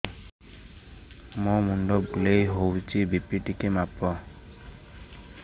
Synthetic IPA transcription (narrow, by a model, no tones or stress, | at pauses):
mɔmunɖɔbulejɦowt͡ʃibipiʈikemapɔ